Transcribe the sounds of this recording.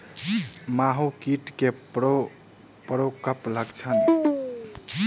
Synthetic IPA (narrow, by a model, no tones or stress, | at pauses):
maɦukiʈkeo | pɾokəpləɡt͡ʃʰən